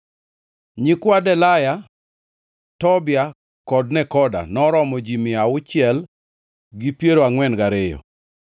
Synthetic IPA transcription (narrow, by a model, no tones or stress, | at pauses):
ɲɪkwadɛlaja | tɔbja | kɔdnɛkɔda̰nɔɾɔmɔd͡ʒimɪaʊt͡ʃɪɛl | ɡipjeɾoaŋwɛnɡaɾɪjɔ̰